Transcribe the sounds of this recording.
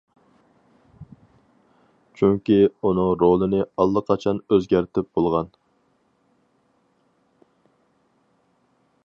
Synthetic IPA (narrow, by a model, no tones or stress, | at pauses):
t͡ʃʰyŋkʲiunɨŋɾolˠɨnɪɑlˠːəqʰɑt͡ʃʰɑnøzɡʲæɾt̪ʰɪp̚b̥olˠʁɑn